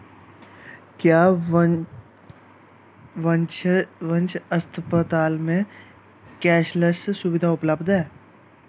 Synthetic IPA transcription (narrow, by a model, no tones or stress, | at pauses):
kjaː | ʋə̃nt͡ʃʋə̃nt͡ʃɐst̪ʰpət̪aːlmẽ | kɛːʃləssʊʋɪd̪ʱaʊpləbd̪ʱɦɛː